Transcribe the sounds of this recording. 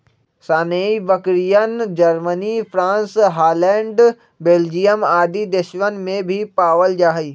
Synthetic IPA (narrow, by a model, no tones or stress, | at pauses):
saːneibəkɾijənd͡ʒɐɾmənifɾãːnsɦaːlɛ̃ːɳɖ | beːld͡ʒijəmaːd̪id̪eʃʋənmẽbʱipaːʋəld͡ʒaːɦiː